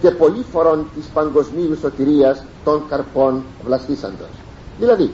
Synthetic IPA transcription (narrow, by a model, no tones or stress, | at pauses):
k̪epolifoɾont̪ispaŋɡozmiusot̪iɾias | t̪oŋkaɾpon | vlasisa̰nd̪o̰s | milaði